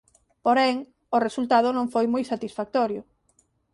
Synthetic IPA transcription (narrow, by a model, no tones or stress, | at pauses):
poɾɛŋ | ʊresult̪að̞ʊnõŋfojmojsat̪isfak̚t̪ɔɾjʊ